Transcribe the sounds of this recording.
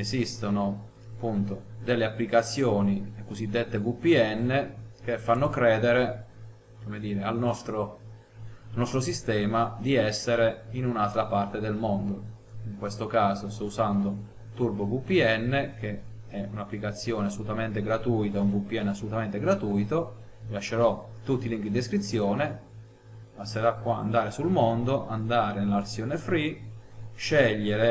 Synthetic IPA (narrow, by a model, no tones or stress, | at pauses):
ezist̪ono | apːunt̪od̪elːeapːlikat̪sːjɔːnilekosid̪ːet̪ːevupːiɛnːek̟efːanːokɾɛːd̪eɾe | komed̪iːɾealnɔst̪ɾo | alnɔst̪ɾosist̪ɛːmad̪iɛsːeɾeinunalt̪ɾapart̪ed̪elmond̪o | iŋkwest̪okaːzost̪ɔuzand̪o | t̪urbovupːiɛnːek̟e | ɛunapːlikat̪sːjoːneasːolut̪ament̪eɡɾat̪uːjt̪auɱvupːiɛnːeasːolut̪ament̪eɡɾat̪ujt̪o | milaʃːeɾɔt̪ut̪ːiliŋkid̪ieskɾit̪sːjɔːne | paseɾakwaa̰nd̪aːɾesulmond̪oʔand̪aːɾenelarsjɔːnefɾi | ʃɛʎːeɾe